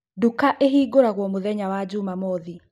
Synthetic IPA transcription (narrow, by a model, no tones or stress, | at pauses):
dukaʔeɦiːɡoɾaɣwɔmoðɛɲawad͡ʑumamɔði